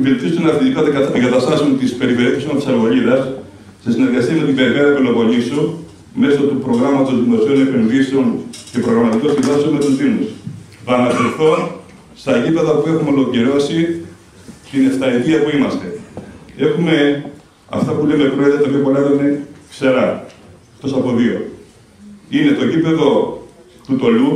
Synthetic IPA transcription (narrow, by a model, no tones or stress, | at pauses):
velt̪iisunɐt̪itikot̪eeŋɡɐt̪ɐst̪ɐsiont̪ispe̞ɾiveɾeθisimɐt̪isɐɾɣo̞ʎiðɐs | sesine̞ɾɣɐsiɐme̞t̪ibeɾipeðɐpilovo̞lisu | me̞sot̪upɾo̞ɣɾɐmɐt̪o̞zðimo̞sio̞ne̞penðiseo̞nce̞pɾoɣɾɐmɐt̪ikosind̪ɐseonme̞t̪osb̪inus | θɐːnɐseɾθo̞n | st̪ɐʝipe̞ðɐpue̞xumeo̞lo̞ciɾo̞si | t̪ine̞ft̪ɐit̪iɐpuimɐst̪e̞e̞xume̞ | ɐ̰ft̪ɐpulemepɾoet̪ɐt̪ɐpjopo̞lɐexuinekse̞ɾɐ | xt̪o̞sɐpo̞ðio̞ | ine̞t̪o̞ʝipe̞ðo̞ | t̪ut̪o̞lu